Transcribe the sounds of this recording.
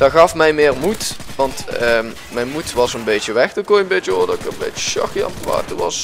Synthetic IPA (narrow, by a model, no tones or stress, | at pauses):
d̥ɑɣɑfmɛjmɪːrmut | ʋɑntə | mɛjnmutʋɑsənbejtəʋɛxdəkojənbejəoːdɑɪkərənbḛjə̥ʃɑ̰xiɑ̰mpʋa̰ːtərʋɑs